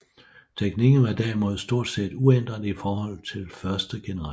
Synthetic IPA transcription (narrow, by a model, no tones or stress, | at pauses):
t͡sʰeɡ̥niɡ̥n̩ʋɑ̈d̥æɐ̰imo̝ð̞̰ˠsd̥o̝ɐ̰d̥se̝̰d̥uen̰d̥ʁɐðˠifɒːhɒ̽l̰t͡sʰe̝lfɶɐsd̥əɡ̥e̝nəɑ